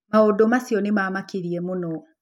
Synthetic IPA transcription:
maodomasiɔnemamakiɾiɛmonɔ

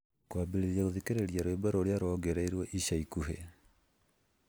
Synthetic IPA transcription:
kwabeɾeðjaɣoðikeɾeɾjaɾwebaɾoɾeaɾɔɡeɾaiɾwɛʔiʃaikuɦe

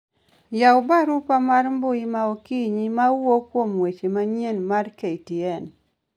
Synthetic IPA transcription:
jaʊbaɾupamaɾmbʊimaokiɲimawokwomwet͡ʃemaɲenmaɾkeitiɛn

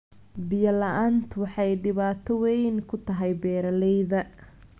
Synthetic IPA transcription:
bɪjɐlɐʔaːnt̪ʰwɑħɑjɖɪβaːt̪ʰɔwɛjnkʰʊt̪ʰɐɦɛjbɛːɾɐlɛjðɐ

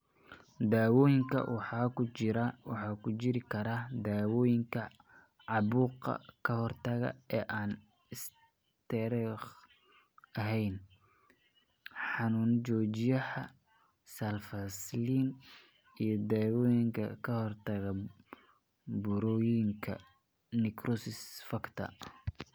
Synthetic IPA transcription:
d̪aːwɔːjɪŋkʰɐ̰wɑħɑːkʰʊt͡ʃɪɾɐwɑħɑːkʰʊt͡ʃɪɾɪkʰɐɾaːd̪aːwɔːjɪŋkʰɐ | ʕɑβuːqɐ̰kʰɐhɔrt̪ʰɐɣɐ̰ɛːʔaːn | ɪs | t̪ʰɛɾɛχ | ɐɦɛjn | ħɑnuːnt͡ʃɔːt͡ʃɪjɐhɐ | sɐlfɐsliːn | ijɞd̪aːwɔːjɪŋkʰɐ̰kʰɐhɔrt̪ʰɐɣɐ | bʊɾɔːjŋkʰɐ̰ | nɪkrʔɔsɪsfɐkt̪ʰɐ̰

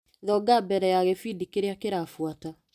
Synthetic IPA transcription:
ðɔɡabɛɾɛjaɣɛfidikeɾeakeɾafwata

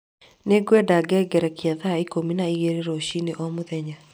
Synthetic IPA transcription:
neɡwɛdaɡɛːɡɛɾɛkiaðaikominaiɣeɾeɾoɕineʔɔmoðɛɲa

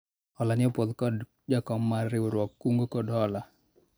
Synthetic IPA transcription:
ɔlanɪɔpod̪kɔd | d͡ʒakɔmːaɾɪoɾwɔkːuŋɡokɔdɔla

